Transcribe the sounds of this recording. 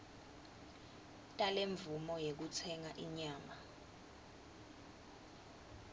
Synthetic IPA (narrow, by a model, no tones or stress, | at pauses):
tʼaleɱvumɔjek̬ut͡sʰɛŋaʔiɲaːma